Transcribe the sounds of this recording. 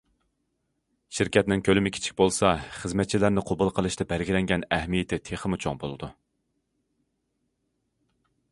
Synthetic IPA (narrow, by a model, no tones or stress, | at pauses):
ʃiɾkʲʰɛt̪nɪŋkʲʰølɪmɪkʲʰi̥t͡ʃʰi̥k̚ʲbolˠsɑχəzmɛt̪̚t͡ʃʰilæɾnɪqʰobulˠqʰəlˠɨʃt̪ʰɑbæɾɡʲilɛŋɡʲɛnɛhmijɪt̪ʰɪt̪ʰeχəmut͡ʃʰo̰ŋbolˠɨd̪u